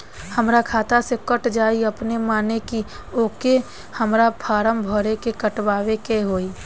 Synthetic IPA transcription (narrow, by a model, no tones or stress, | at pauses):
həmɾakʰaːt̪asekəʈd͡ʒaːiəpnemaːnekioːke | həmɾapʰaːɾəmbʱoːɾekekəʈwaːwekeɦoːi